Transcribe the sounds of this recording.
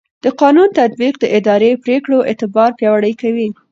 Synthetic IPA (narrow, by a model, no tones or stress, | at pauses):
d̪̥əqɑnunt̪ad̪̚biq̚d̪əʔɪd̪ɑɾepɾekɽoʔɪ̰t̪ɪbɑɾpjɑwaɽəjkawi